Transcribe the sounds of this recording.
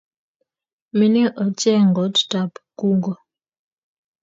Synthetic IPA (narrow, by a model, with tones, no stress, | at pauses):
mi˨ni˦ʔɔ˨˦tɛ˦ŋ˨ɡɔ˨˦tta˨pku˦ŋɡɔ˨